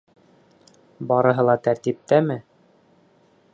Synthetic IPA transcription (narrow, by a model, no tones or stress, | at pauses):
bɒɾɤ̆ɦɤlˠɑt̪æɾt̪ip̚t̪æmɘ